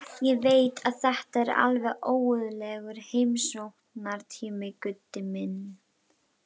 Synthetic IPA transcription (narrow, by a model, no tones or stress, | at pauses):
jɛveːjt̪ʰaðθɛht̪aɛɾa̰lvɛɣʔoːwʏðlɛɣʏɾ̥hejmsowht̪naɾt̪ʰiːmɪkʏt̪ːɪmɪn